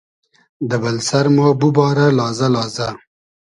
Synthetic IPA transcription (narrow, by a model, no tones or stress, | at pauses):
d̪əbalsaɾmobubɑːɾalɑːzalɑːza